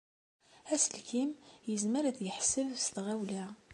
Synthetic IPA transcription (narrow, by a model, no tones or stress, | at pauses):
æsəlkimjəzməɾædjəħsːəvst̪ʁæwlæ